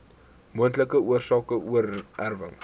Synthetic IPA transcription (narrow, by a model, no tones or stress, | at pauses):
muəntləkəuərsɑːkəuərærvə̰ŋ